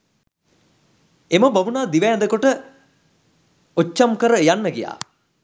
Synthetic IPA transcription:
eməbaʋunaːd̪iʋæjɛnd̪əkoʈə | ot͡ʃːamkəɾəjanːəɡija̰ː

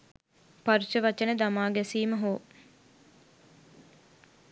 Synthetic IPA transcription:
paɾit͡ʃəʋat͡ʃənəd̪amaːɡɛsiːməɦoː

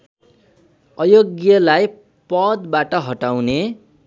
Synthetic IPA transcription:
ʌjoɡjʌlaj | pʌd̪baʈʌɦʌʈawne

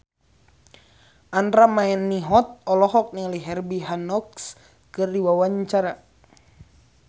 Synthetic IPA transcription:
ʔanɾamaɛnːiɦɔt̪̚ɔlɔɦɔk̚niliɦɛrbiɦanɔks | kɨrdiwawaɲt͡ʃaɾa

